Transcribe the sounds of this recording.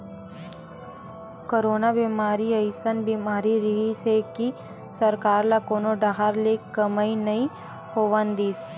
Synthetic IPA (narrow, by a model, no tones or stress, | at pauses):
koːɾoːnabiːmaːɾiəjsənbiːmaːɾiɾiɦiseki | sɐɾkaːɾlakoːnoɖaɦaɾlekəməinɐɦĩ | hoːʋənd̪iːs